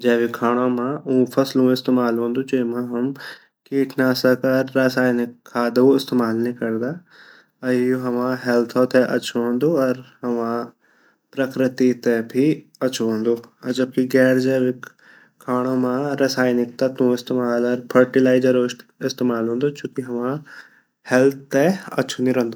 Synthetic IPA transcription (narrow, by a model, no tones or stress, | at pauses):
d͡ʒɛːʋɪkʰaːɽ̃õːmãːũːpʰɐslũːɪst̪eːmaːlɦõːnd̪uːt͡ʃeːmãːɦɐm | kiːʈʰnaːsəkəɾːaːsaːjnɪkʰːaːd̪ooɪst̪eːmaːlnĩkɐɾd̪aː | ɐjoɦɐʋãːɦɛːlt̪ʰõːt̪ɛʔɐ̰t͡ʃʰoõnd̪oːɔɾhɐʋãː | pɾɐkɾɪt̪it̪ebʱi | ɐt͡ʃʰoɦõːnd̪oːɾd͡ʒɐb̚kiɡɛːɾd͡ʒɐʋɪk | kʰːaːɽ̃õmãɾasaːjnɪk̚t̪at̪ũɪst̪eːmaːlɔɾpʰəɾʈɪlaːɪd͡ʒəɾoɪst̪eːmaːlɦõːnd̪ot͡ʃũːkiɦɐmã | hɛlt̪̚ʰːɛɐ̰tːʃʰunĩɾɐ̃nd̪o